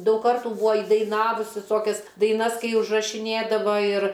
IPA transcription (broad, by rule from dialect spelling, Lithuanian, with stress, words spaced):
ˈdɐʊk ˈkɐrtuː ˈbuːɐ iːdɐɪˈnɑːʋʊs ʋʲɪˈsoːkʲɛs dɐɪˈnɐs ˈkɐɪ ʊʒrɐʃʲɪˈnʲeːdɐʋɐ ɪr